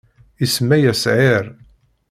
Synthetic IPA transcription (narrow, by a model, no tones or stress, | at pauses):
ismæjæsʕɪɾ